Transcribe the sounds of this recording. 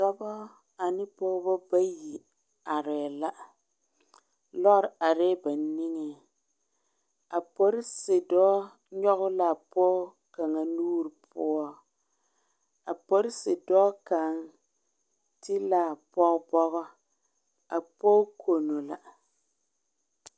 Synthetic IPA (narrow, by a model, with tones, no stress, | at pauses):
sɔ˦bɔ˦ | a˨nɪ˦pɔ˦bɔ˦ba˦ji˨ | a˨ɾɛː˨la˦ | lɔ˦ʔɾa˨ɾɛː˦ba˨ni˦ŋe˨ | a˨pɔ˦ɾɪ˦sɪ˨dɔː˦ | ɲɔ˦ɣʊ˦la˨pɔː˦ | ka˨ŋa˨nuː˦ɾi˨pʰʊ˦ɔ˦ | a˨pɔ˦ɾɪ˦sɪ˨dɔː˦ka˨ŋ | tɪ˦la˨pɔ˦bɔ˦ɣɔ˦ | a˨poː˦kʰo˨no˨la˨